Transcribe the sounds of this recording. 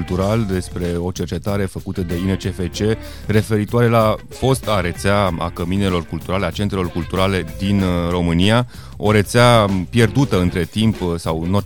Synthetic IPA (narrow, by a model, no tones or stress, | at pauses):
lt̪uɾald̪e̞spɾe̞o̞t͡ʃe̞rt͡ʃet̪aɾe̞fəkut̪əd̪e̞inet͡ʃefet͡ʃe̞ | re̞fe̞ɾit̪oaɾe̞la | fo̞st̪aɾe̞t̪seaa̰kəmine̞lo̞rkult̪uɾale̞at͡ʃe̞nt̪ɾe̞lo̞rkult̪uɾale̞d̪inro̞mɨnija | o̞ɾe̞t̪seapje̞rd̪ut̪əɨnt̪ɾe̞t̪impsawno̞